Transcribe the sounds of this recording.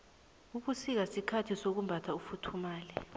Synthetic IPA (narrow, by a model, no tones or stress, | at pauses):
uk̬usik̬asikʰatʰisok̬umbʱatʰaufutʰumaːlɛ